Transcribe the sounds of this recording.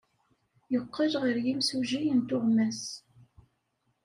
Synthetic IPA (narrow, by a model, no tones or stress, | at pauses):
jəqːəɾʁəɾjimsuʒijənt̪ʊʁmæs